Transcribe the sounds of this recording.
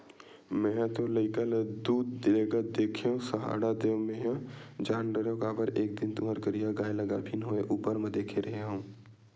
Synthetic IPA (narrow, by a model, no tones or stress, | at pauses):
mɛ̃ːt̪oləɪkəld̪uːd̪ːɪleːɡad̪eːkʰeɦõsəɦa̰ːɽad̪eːʋmẽɦãd͡ʒaːnɾəɾjõkaːbəɾeːk̚d̪ɪnt̪ʊməɾkəɾijaɡaːelɐɡabʱinɦoeʔuːpəɾmə̃d̪eːkʰeɾɐɦeɦũː